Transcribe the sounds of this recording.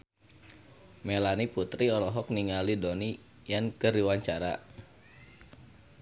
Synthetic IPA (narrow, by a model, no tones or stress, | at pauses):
melaniput̪ɾiɔlɔɦɔk̚niŋalidoni | jankəɾiwaɲt͡ʃaɾa̰